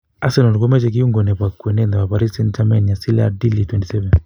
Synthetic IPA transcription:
a˦sɛ˨nɔ˨nkwɔ˦mɛ˦t͡ʃɛ˨k̬i˦u˦ŋɡɔ˨nɛ˨pa˨kːu˨ɛ˨nɛ˦nda˨wa˨pa˨ɾi˦sɛ˦ntamɛ˦n˨a˨si˦la̰di˦litwɛ˨nti˨sɛvɛ˨n

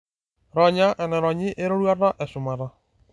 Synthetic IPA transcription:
ɾɔ˨ɲa˦ʔɛ˨nɛ˨ɾɔ˨ɲɪ˦ʔe˦ɾo˦ɾwa˦ɾa˦ʔɛ˨sʊ˨ma˨ɾa˨

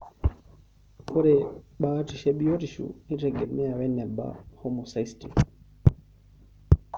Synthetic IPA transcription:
kɔ˦ɾɛ˨ɓa˦ti˨ʃɛ˦ɓi˦ɔ˦ti˨ʃṵ˨ni˦tɛ˨ɡɛ˨mɛ˦a˨wɛ˦nɛ˨ba̰˨hɔ˦mɔ˨sa˨isti˨

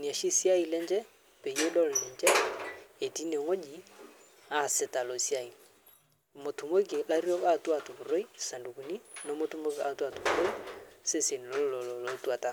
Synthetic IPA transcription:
ni˨a˨ʃi˦si˦a˦i˨lɛ˦nt͡ʃɛ˦ | pe˨je˦dɔ˦lɪ˨nt͡ʃɛ˦e˨ti˦ne˨ŋo˦d͡ʒi˨ | a˦˨sɪ˨˦ta˨lo˨si˦a˦i˨ | mo˨tu˨mo˦ki˨la˦ɾjɔ˦ka˦twa˨tu˨pu˨ɾo˦i˦sa˨ndu˨ku˨ni˦no˨˦mo˦tu˦mo˦ki˨a̰˨tu˦a˨tu˨pu˨ɾo˦i˦se˦se˨n˨lo˦lɔ˨llo˨˦twa˨ta˦

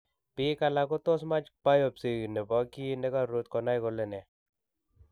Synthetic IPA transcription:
pɪ˦ka˧la˧ko˦t̪ɔ˦sma˦t͡ʃpa˦jɔ˨psi˨ɣne˨bɔ˨˦ki˦nɛ˦ka˦ɾo˨˦t̪kɔ˨na˦jko˨lɛ˨nɛ˨

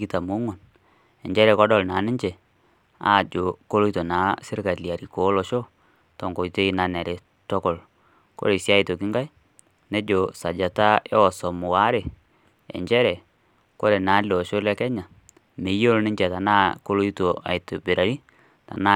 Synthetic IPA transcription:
ki˦ta˨mʊ˨˦ŋo˨n | ɛ˨ɲd͡ʒɛ˦ɾɛ˨kɔ˦dɔ˦˨lna˨˦nɪ˦ɲd͡ʒɛ˨ | a̰˦˨d͡ʒo˨ko˦lo˦i˦to˨naː˨˦sɪ˦ɾka˨lja˨ɾi˨ko˨˦lɔ˨ʃo˦ | tɔ˨ŋɡo˨i˨te˦i˦na˨nɛ˨ɾe˨ | tɔ˦kɔ˨l | ko̰˦ɾe˨sja˦i˨to˨kɪ˦ŋɡa˦j | ne˦d͡ʒo˨sa˨d͡ʒa˨ta˦e˦ɔ˨sɔ˨mʊ˨wa˦ɾe˨ | ɛ̰˨ɲd͡ʒɛ˦ɾɛ˨ | ko˦ɾe˨na˨˦lɛ˨ɔ˨ʃo˦lɛ˦kɛ˦ɲa˨ | me˨˦jo˦lnɪ˦ɲd͡ʒɛ˨ta˨na˦ko˦lo˦i˦to˨a̰˨ɪ˨to˨be˨ɾa˨ɾi˦ | ta̰˨na˦

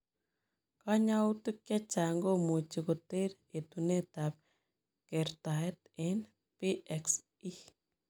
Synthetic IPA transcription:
ka˦ɲa˦u˦tɨ˦kja˦t͡ʃa˨ŋɡo˦mu˨t͡ʃi˨ko˨te˦ɾ | e˨t̪u˨ne˦ta˨p̚ | ke˨ɾt̪a˨e˦t̪ | ɛ˦n | pi˦ʔɛks | i

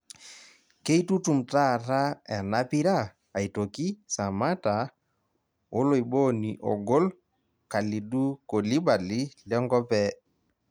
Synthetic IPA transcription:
ke˦i˦tu˦tu˨mta˦˨ɾa˦ɛ˨na˦pi˦ɾa˦˨ | a˨i˨to˨ki˦sa˨ma˦ta˨ | o˦lo˨i˨bo˦ni˨ʔɔ̰˨ɡo˦l | ka˨li˨du˦ko˨li˦ba˨li˦lɔ˦ŋɡɔ˦pɛ˦

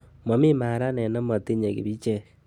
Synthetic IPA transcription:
mo˨mi˦maː˨ɾa˦nɛ˨na˦ma˨ti˦ɲe˨kḭ˨bi˦t͡ʃɛ˦

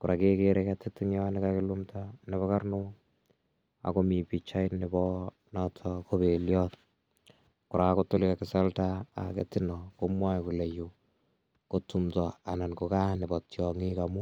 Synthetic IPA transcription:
kʊ˨ɾʔa˨ke˦keɾekatɪtːɪŋjɔnɪkakɪ˦lumtʰanɪ˨βɔka˦rno˦ | a̰˨ko˦mi˨pi˨t͡ʃa˦jnɪbɔ | nɔtʰɔko˦be˨ljɔt | kʊ˨ɾa˨koto˦lɪka˨kɪsa˦lta̰ːkḛtɪ˦nɔ˨komwa˦jku˨lɛ˨ju˨ | ko˦tumtɔ˨a˨na˨nko˨ka˦nɪ˨bɔ˨tjɔ˨ŋi˦kamu˦

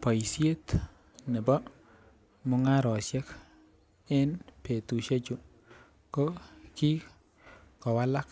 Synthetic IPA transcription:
pa˨ji˨sje˦t̪ | nɛ˨bɔ˦ | mo˦ŋa˦ɾɔ˨ʃɛ˦k | ɪ˦npe˨t̪u˨ʃe˦t͡ʃo˦˨ | ko˦ki˦ | kɔ˨wa˦la˦k

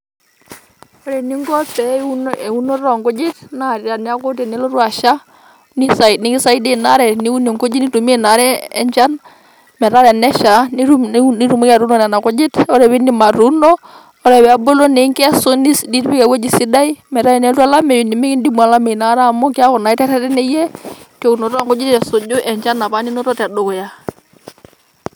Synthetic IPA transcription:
ɔ˦ɾɛ˨ni˦ŋɡɔ˦pɛ˨˦u˦˨u˦no˦ɾɔ˨ŋɡɔ˦d͡ʒɪ˦tna˦˨ɾa˨nɪ˦a˦ko˦te˨ne˦lo˦ɾwa˨ʃa˦ | ni˦sa˨ni˦ki˦sa˦i˦de˦˨na˦ɾɛ˨ni˦u˦no˨ŋko˦d͡ʒi˦ni˦tu˨m˦e˦na˨ɾɛː˦ɲd͡ʒa˦n | mɛ˨ɾa˦ɾɛ˨nɛ˦ʃa˨ni˦ɾu˦i˦ɾu˨mu˦ka˨ɾu˦nɔ˨nɛ˨na˨ko˦d͡ʒɪ˦tɔ˦ɾɛ˨βɪ˦ni˦ma˨ɾu˦nɔ˦ | ɔ˦ɾɛ˨βɛ˨a˨bo˦lo˦ne˨˦ŋkso˦ni˦sdi˦ɾbi˦kɛ˨wo˦d͡ʒi˨si˦da˦i˦mɛ˨ɾa˦i˨nɛ˦tu˦a˦la˦mɛ˨ju˨ni˨me˦kɪ˦ndi˦m˨a˨la˦me˨na˦ɾa˦˨mɔ˦kɪ˦a˦kɔ˨na˨i˦tɛ˦ɾɛ˦ɾɛ˦nɛ˦jɛ˦to˨u˨no˨tɔ˦a˦ŋkɔ˦d͡ʒɪ˦tɛ˨so˨d͡ʒʊ˦ʔɛ˨ɲd͡ʒa˦na˨pa˦ni˦no˦tɔ˦tɛ˨do˦kɔ˨ja˦

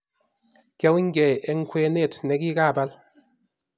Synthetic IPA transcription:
kɛ˦wŋ̩˦ɡɛ˨ɛ˦ŋ̩˦kwe˦ne˦˨tnɛ˨˦k̬i˦ka˦˨ba˦l

